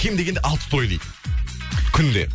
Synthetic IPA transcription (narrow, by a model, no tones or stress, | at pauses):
kʲʰimd̪eɡʲend̪eʔɑlˠt̪t̪ʰojd̪ˠḭ | kʲʰʏnd̪ḛ